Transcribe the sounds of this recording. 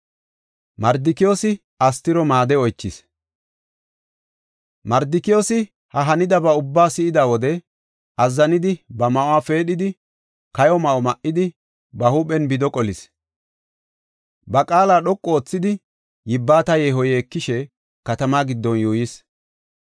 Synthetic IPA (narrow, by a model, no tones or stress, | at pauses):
mɐɾd̪ɪkɪjoːsɪ | ɐst̪ɪɾɔmaːd̪ɛɔjt͡ʃːɪs | mɐɾd̪ɪkɪjo̞ːsɪ | hɐɦɐnɪd̪ɐbɐʊbːaːsɪɪd̪awɔd̪ɛ | ʔɐzːɐnɪd̪ɪbɐmɐʔɔwaːfe̞ːɗɪd̪ɪ | kɐjɔmɐʔɔmɐʔɪd̪ɪ | bɐhuːɓɛnbɪd̪ɔkʼɔlɪs | bɐkʼaːlaːɗɔkʼːoːt͡sːɪd̪ɪ | jɪbːaːt̪ɐjeɦɔjɛːkːɪʃɛ | kɐt̪ɐmaːɡɪd̪ːɔnjuːjɪs